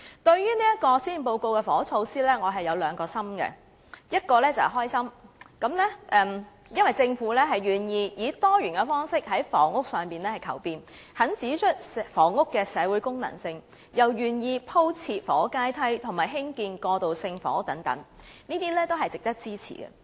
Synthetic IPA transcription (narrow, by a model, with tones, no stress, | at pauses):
t̪ɵ˧ɥjyː˥niː˥jɐ˥t̚kɔː˧siː˥npo˧wko˧wkɛ˧fɔː˨˥t͡sʰo˧wsiː˥lɛː˥ŋɔː˨˧ɦɐ˨jɐ˨˧wlœː˨˧ŋkɔː˧sɐ˥mɡɛ̰˧ | jɐ˥t̚kɔː˧lɛ˥t͡sɐ˨˩ɦɔː˥jsɐ˥mkɐ˨˥mlɛ˥ʔɛː˨mjɐ˥nwɐ˨jt͡sɪ˧ŋfuː˨˥lɛ˥ɦɐ˨jɥyː˨˩njiː˧jiː˨˧t̪ɔː˥ɥyː˨˩nkɛ˧fɔː˥ŋsɪ˥k̚hɐ˨˥jfɔ̰ː˨˩ŋʊ˥k̚sœː˨˩ŋpiː˨˩nlɛː˥hɐ˨jkʰɐ̰˨˩wpiː˨˧n | hɐ˨˥nt͡siː˨˥t͡ʃʰɵ˥t̚fɔː˨˩ŋʊ˥kːɛː˧sɛː˨˧wuː˨˥jkʊ˥ŋnɐ̰˨˩ŋsɪ˧ŋ | jɐ˨˩wjyː˨˩njiː˧pʰo˥wt͡sʰiː˧t̚fɔ̰ː˨˥kaː˥jt̪ʰɐ˥jt̪ʰʊ˨˩ŋmaː˨˩jɦɪ˥ŋkiː˧nkɔː˧t̪o˨˩wsɪ˧ŋfɔ̰ː˨˦t̪ɐ˨˥ŋt̪ɐ̰˨˥ŋniː˥t̪iː˥lɛː˥t̪o˥wɦɐ˨jt͡sɪ˨k̚t̪ɐ˥k̚t͡siː˥t͡sʰḭː˨˩ɡɛ̰˧